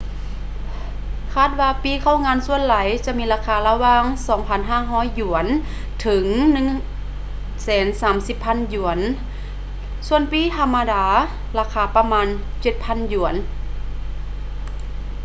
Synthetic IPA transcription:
kʰaː˧˥˩t̪̚waː˧piː˧˥˨kʰa˧˥˩wŋaː˧˥˨nsu˧˨ə˨nla˨˩˦jt͡ɕa˧˦ʔmiː˧˥laː˧kʰaː˧la˧waː˧˨ŋsɔː˨˩˦ŋpʰa˧˥˨nɦaː˧˥˩ɦɔː˧˥˨jːu˨˩˦ən | t̪ʰɯ˨˩˦ŋnɯ˧˨ŋ | sɛː˨˩˦nsaː˨˦msi˧˦pʰːa˧˥˨nju˨˩˦ən | su˧ənpiː˧˥˨t̪ʰa˧˥mːa˧daː˧˦ | laː˧kʰaː˧˩pa˧maː˧˥nt͡ɕe˧˩t̪̚pʰa˧˥˨nju˨˩˦ən

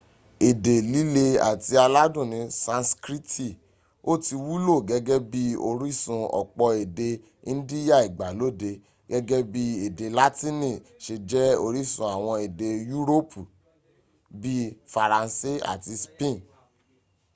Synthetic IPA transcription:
e˨de˨li˦le˧a̰˨ti˧a˧la˦dũ˦˨nĩ˧sã˧nskɾi˦ti˦˨ | o˦˨ti˧wu˦lo˦˨ɡɛ˦ɡɛ˦bi˦o˧ɾi˦˨sũ˧ɔ̰˨k͡pɔ˧e˨de˧ | ĩ˦n̩˦di˦ja˦˨i˨ɡ͡ba˨lo˦˨de˧ | ɡ̥ɛ˦ɡɛ˦bi˦e˨de˨la˦tĩ˦nĩ˦˨ | ʃe˨d͡ʒɛ˦o˦˧ɾi˦˨sũ˧a˨w̃ɔ̃˧e˨de˧ju˦ɾo˦pʰu˨ | bi˦fa˨ɾã˨˧n˦se˦a̰˨ti˧spẽ˦˨

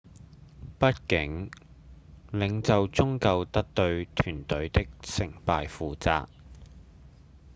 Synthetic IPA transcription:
pɐ˥t̚kɪ˨˥ŋ | lɪ˨˧˥ŋt͡sɐ˨wt͡sʊ˥ŋkɐ˧wt̪ɐ˥k̚t̪ɵ˧ɥt̪ʰyː˨˩nt̪ɵ˨˥ɥt̪ɪ˥k̚sɪ˨˩ŋpaː˧jfuː˨t͡sa̰ː˧k̚

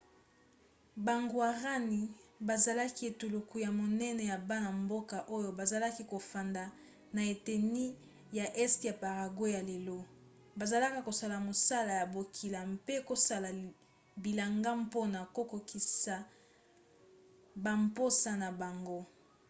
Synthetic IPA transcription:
ba˨ŋɡwa˨ʁa˦ni˨ba˨za˨la˦ki˦e˨tu˨lo˨ku˨ja˨mo˨nɛ˦nɛ˨ja˨ba˦na˨mbo˦ka˨ʔo˦jo˨ba˨za˨la˦ki˦ko˨fa˨nda˨ | na˨e˨te˨ni˦ | ja˨ʔɛ˦stja˨pa˨ʁa˨ɡwo˦ja˨le˨lo˦ | ba˨za˨la˦ka˦ko˨sa˨la˨mo˨sa˦la˨ja˨bo˨kʰi˨la˨mpe˦ko˦sa˦la˨ | bi˨la˨ŋɡa˦mpo˦na˨ko˦ko˨ki˨sa˨ | ba˨mpo˦sa˦na˨ba˨ŋɡo˦

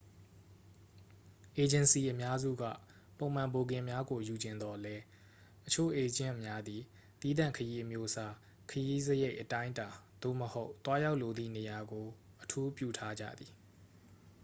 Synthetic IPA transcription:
ʔe˨d͡ʑɪ̃˨nsi˨ʔəmja˦zṵ˦˨ɡä̰˦˨ | põ˨ʊ̃m̥ã˨mbo˨ɡɪ̃˨mja˦ɡo˨ju˨d͡ʑɪ̃˨nd̪ɔ˦lɛ˦ | ʔət͡ɕʰo̰˦˨ʔe˨d͡ʑɪ̰̃˦˨ʔmja˦d̪i˨ | t̪i˦d̪ã̰˦˨ŋkʰəji˦ʔəmjo˦sʰa˦ | kʰəji˦zəje˦ɪʔətã˦ɪ̃nta˨d̪̥o̰˦˨məho˦ʊt̪wa˦ja˦ʊʔlo˨d̪ðḭ˦˨ne˨ja˨ɡo˨ | ʔətʰu˦pjṵ˦˨tʰa˦d͡ʑa̰˦˨d̪ði˨

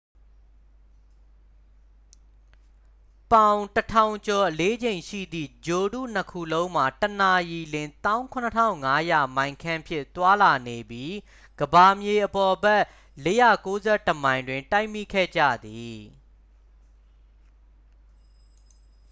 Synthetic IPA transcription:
pã˨ʊ̃tətʰã˨ʊ̃ɲt͡ɕɔ˨ʔəle˦d͡ʑẽ˨ɪ̃ʃḭ˦˨d̪ðḭ˦˨d͡ʑo˨dṵ˦˨n̥əkʰṵ˦˨lõ˦ʊ̃m̥a˨təna˨ji˨lɪ̃˨nt̪ã˦ʊ̃kʰʊ̃˨nətʰã̰˦˨ʊ̃ŋa˦ja˨mã˨ɪ̃ŋkʰã˦mpʰjɪ̰̃˦˨t̪wa˦la˨ne˨bji˦ | ɡ̥əba˨mje˨ʔəpɔ˨bɛ˦˨ʔ | le˦jä̰˦˨ko˦zɛ˦˨təmã˨ɪ̃ndwɪ̃˨nta˦ɪmḭ˦˨kʰɛ̰˦˨d͡ʑä̰˦˨d̪i˨

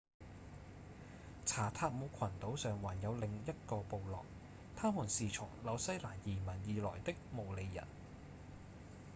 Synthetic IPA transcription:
t͡sʰaː˨˩t̪ʰaː˧k̚muː˨˥kʰɐ˨˩nt̪o˨˥wsœː˨ŋwaː˨˩njɐ˨˧wlɪ˨ŋjɐ˥t̚kɔː˧po˨˧wlɔ̰ː˨k̚ | t̪ʰaː˥muː˨˩nsiː˨˩t͡sʰʊ˨˩ŋlɐ˨˧wsɐ˥jlaː˨˩njiː˨˩mɐ˨˩njiː˨lɔ̰ː˨˩jt̪ɪ˥k̚mo˨˩wle˨˧jːɐ̰˨˩n

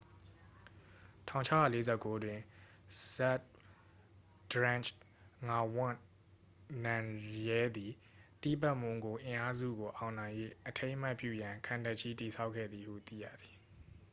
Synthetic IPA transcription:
tʰã̰˦˨ʊ̃t͡ɕʰa˦ja̰˦˨le˦zɛ˦˨kːo˦dwɪ̃˨ | sa˦t̚ | d̥ɹã˦˨nt͡ʃ | ŋa˨wʊ̃˦˨ | nã˨jɛ˦d̪i˨ | ti˦˨pa˦ʔmʊ̃˨ŋɡo˨ʔɪ̃˨ʔa˦zṵ˦˨ɡo˨ʔã˨ʊ̃nã˨ɪ̃jwḛ˦˨ʔətʰẽ˦ɪ̃m̥a˦ʔpjṵ˦˨jã˨kʰã˨nda˦ʔt͡ɕʰi˦ti˨sʰa˦ʊkʰːɛ̰˦˨d̪ði˨hṵ˦˨t̪ḭ˦˨jä̰˦˨d̪ði˨

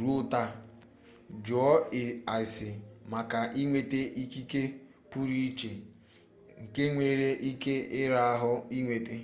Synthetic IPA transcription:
ɾu˦ta˦ | d͡ʒɔ˨ɔ˦ɪ˨a˨ɪ˨sɪ˨ma˨ka˨ʔi˦ŋʷe˨te˦ʔi˦ki˦ke˦ | pu˦ɾi˦t͡ʃe˨ | ŋ̩˨ke˦ŋʷe˨ɾe˦ʔi˦ke˦ɪ˦ɾa˦a˦ɦʊ˦i˦ŋʷe˨te˦

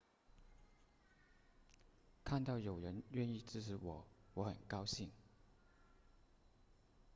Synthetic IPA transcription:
kʰa˥˧nt̪ɑ˥˩ʊjo˨˩ʊɻə˧˥nɥɛ˥˧ni˥˧ʈ͡ʂɻ̩˥˩ʈ͡ʂʰɻ̩˧˥wɔ˨˩˦wɔ˧˥xə̰˨˩nkɑ˥ʊɕi˥˩ŋ

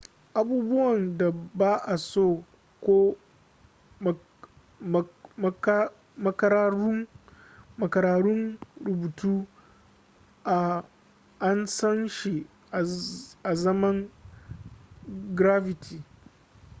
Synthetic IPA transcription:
ʔa˨buː˦bʊ˦wɐ˨nda˨baː˦ʔa˨soː˦˨ | kʷoː˦ | mɐ˦kɐ˦ɾaː˦ɾʊ˦ŋ | mɐ˨kɐ˨ɾaː˨ɽʊ˦ŋɽʊ˨buː˨tuː˦ | ʔa˨ | ʔa˦nsɐ˦nʃi˨ | ʔa˨ʔa˨zɐ˦mɐ˦ŋ | ɡɾa˦fɪ˨tʰiː˨

